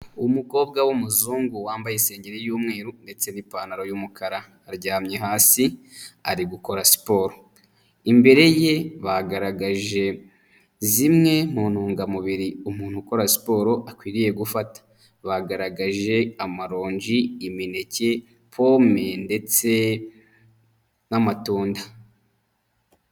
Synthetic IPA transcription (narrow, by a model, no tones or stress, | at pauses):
umuko̞ːbɡawumuzuːŋɡuwaːmbajese̞ːɲɟeɾejuːmŋe̞ːɾunde̞t͡se̞nipaːnaɾo̞jumukaɾa | ɾɟaːmɲeɦaːsia̰ɾiɡuko̞ɾasi̥po̞ːɾo̞ | imbe̞ɾe̞je̞βaɡaɾaɡaʒe̞ | zimŋe̞m̥uːn̥huːŋɡamuβiɾiumuːn̥huko̞ɾasi̥po̞ːɾo̞ʔakwiːɾije̞ɡufatḁ | βaɡaɾaɡaʒe̞amaɾo̞ːɲd͡ʒiimine̞ce | pʰo̞me̞nde̞t͡se̞ | namatuːnda